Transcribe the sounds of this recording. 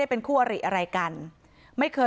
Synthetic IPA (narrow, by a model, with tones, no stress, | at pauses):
a˥˩jpe˧nkʰuː˥˩ʔa˧ɾḭ˨˩ʔa˧ɾa˧jka˧n | ma˥˩jkʰɤː˧